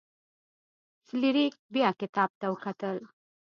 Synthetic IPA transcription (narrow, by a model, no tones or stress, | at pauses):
sɪliɾik̚bjɑkɪt̪ɑb̚t̪awəkat̪əl